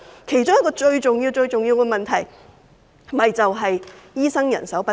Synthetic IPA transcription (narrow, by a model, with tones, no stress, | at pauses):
kʰe˨˩jt͡sʊ˥ŋjɐ˥kːɔː˧t͡ʃɵ˧ɥt͡ʃʊ˨ŋjiː˧wt͡sɵ˧ɥt͡sʊ˨ŋjiː˧wkɛ˧mɐ˨nt̪ʰɐ˨˩j | mɐ˨jt͡sɐ˨wɦɐ˨jjiː˥sɐ˥ŋjɐ̰˨˩nsɐ˨˥wpɐ˥